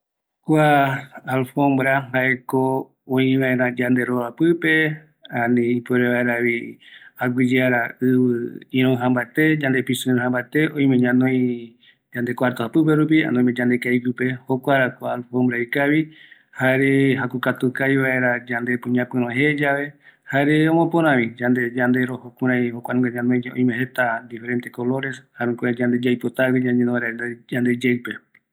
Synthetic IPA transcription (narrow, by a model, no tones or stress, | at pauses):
kʷaːlfõmbɾabaeko | õĩβaẽɾãd͡ʒãnd̪e̞ɾoapɨpe̞ | ãnĩipoɾeβaeɾaβihaɡʷid͡ʒeaɾaɨβɨĩɾ̃õɦãmbaet̪e̞d͡ʒand̪episɨ̃ɾ̃ɦãmbaet̪e̞õĩmẽɲãnõjĩ | d͡ʒand̪e̞kʷaɾt̪ohapɨp̬eɾup̬ia̰nõmed͡ʒãnd̪ekaikɨpe̞hokʷaɾakʷalhombɾajkaβi | haɾeɦakukat̪ukajβae̞ɾad͡ʒãnd̪epɨ̃ɲãpɨ̃ɾõɦed͡ʒaβe̞haɾeõmõpõɾ̃ãβĩd͡ʒand̪e̞d͡ʒand̪e̞ɾohokũɾ̃ãjhokʷwʷanũŋɡeɲãnõj̃õ̰ĩmẽhet̪ad̪ife̞ɾent̪e̞ko̞lo̞ɾe̞shaɾũkʷed͡ʒãnd̪e̞d͡ʒajpot̪akid͡ʒãɲẽnõaɾaend̪ad͡ʒand̪e̞d͡ʒewpe